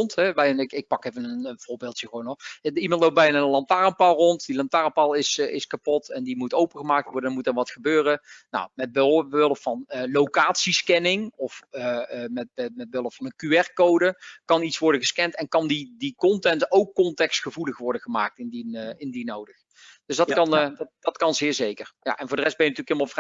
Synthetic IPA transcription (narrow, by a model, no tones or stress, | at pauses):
ɔntɦɛʋɛjnɪkɪk̚pɑkejvənənənv̥ʊːɹbɪːlˠtjəɣəʋownɔimɑntlow̚bɛjnalɑntaːrəmpɑlˠrɔntdilɑntaːrəmpɑlˠɪsɪskapɔtɛndimutowpəɣəmaːk̚tʋɔɹdənmutɛɹʋɑtχəbøːrəna̰wmɛd̚bɪləfɑnlowkaːtsiskɛnɪŋɔf | mɛmɛd̚bøləffɑnənkyɛrkowdəkɑnitsʋɔɹdəɣəskɛntɛnkɑndidikɔntɛntowkːɔntɛkstχəvuləχʋɔɹdəɣəmaːk̚tɪndiɪndinowdəx | d̥øsdɑtkɑndd̥ɑtkɑnzɪːɹzejkərja̰ʔɛnvʊːɹdərɛsd̚bɛjnɑtylkɪlˠmalˠvr